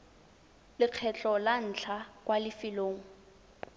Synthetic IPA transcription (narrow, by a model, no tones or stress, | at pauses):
lɪq͡χʰɛt͡ɬʼɔlan̩t͡ɬʰakʼwalɪfɪloːŋ̩